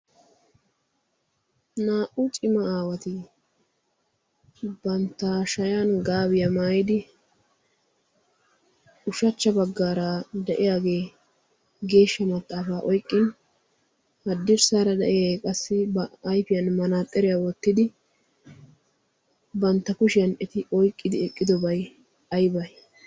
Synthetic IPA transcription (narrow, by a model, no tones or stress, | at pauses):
naːʔʊt͡ʃʼɪmɐaːwɐt̪ɪ | bɐnt̪ːaːʃɐjanɡaːbɪjɐmaːjɪd̪ɪ | ʊʃɐt͡ʃːɐbɐɡːaːɾad̪ɛʔɪjaːɡeː | ɡe̞ːʃːɐmɐt̪ʼːaːfaːʔɔjkʼːɪn | hɐd̪ːɪɾsaːɾɐd̪ɐʔɪjakʼɐsːɪbːjfɪjɐnmɐnaːt̪ʼːɛɾɪjawɔt̪ːɪd̪ɪ | bɐnt̪ːɐkʊʃɪjɐnɛt̪ɪʔɔjkʼːɪd̪ɪɛkʼːɪd̪ɔbɐj | ɐjbɐj